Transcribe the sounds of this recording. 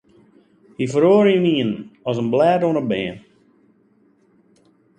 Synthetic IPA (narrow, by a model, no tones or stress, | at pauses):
hifəɾoːɾjəniənɔsənblɛːdonəbɛːən